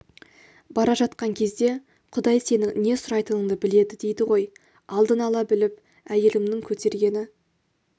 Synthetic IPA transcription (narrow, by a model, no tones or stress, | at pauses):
bɑɾɑʒɑt̪̚qɑŋkʲʰe̞zd̪e̞ | qʰʊd̪ɑjse̞nɪŋne̞sʊɾɑjt̪ənəɴd̪əbɪle̞d̪ɪd̪e̞jd̪ɪʁo̞j | ɑlˠd̪ənɑlˠɑbɪlɪp | æje̞lɪmnɪŋkʲʰɵt̪e̞ɾɡʲe̞nɪ